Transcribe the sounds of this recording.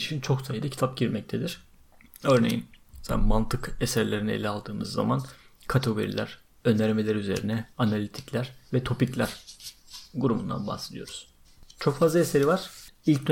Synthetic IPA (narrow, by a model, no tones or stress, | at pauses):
iʃint͡ʃʰo̞ksajɯd̪acʰi̥t̪ʰap̚ɟiɾmɛc̚t̪ʰed̪iɾ̥ | ø̞ɾne̞̰jḭnsa̰mant̪ʰɯkesæɾlʲe̞ɾinɛelʲialˠd̪ɯːmɯzːa̰mankʰat̪ʰoɡo̞̰ɾḭlʲæɾ̥ | ø̞nd̪æɾme̞lʲæɾyze̞̰ɾinɛanalʲit̪ʰi̥clʲæɾvɛt̪ʰo̞piclʲæɾ̥ | ɡuɾumṵnd̪a̰nba̰hse̞d̪ijoɾuz̥ | t͡ʃʰo̞kfazlˠaeseɾivaɾ̥ilʲcd̪ø